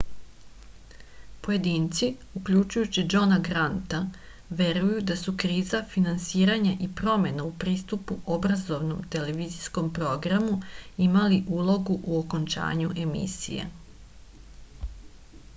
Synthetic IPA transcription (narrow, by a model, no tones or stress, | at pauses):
po̞je̞d̪iːnt̪si | ukʎut͡ʃujut͡ɕid͡ʒo̞naɡɾant̪a | ʋe̞ɾujud̪asukɾiːzafinansiːɾaɲaʔipɾo̞me̞naupɾiːst̪upuobɾazo̞ʋno̞mt̪e̞le̞ʋizisko̞mpɾo̞ɡɾamuimaliʔuːlˠo̞ɡuʔuoko̞nt͡ʃa̰ːɲuʔe̞mḭsḭjḛ